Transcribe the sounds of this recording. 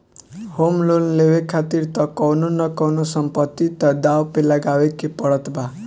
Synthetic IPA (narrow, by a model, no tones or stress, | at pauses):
homlonlewekʰat̪iɾt̪ʌkɔwnunʌkʌwnosʌmpʌt̪ːit̪ʌd̪awpelaɡawekepʌɽʌt̪ba